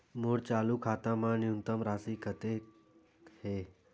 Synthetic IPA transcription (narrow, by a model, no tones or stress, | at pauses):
moɽt͡ɕaːlukʰaːt̪amãnjuŋt̪əmɾaːsikət̪e | he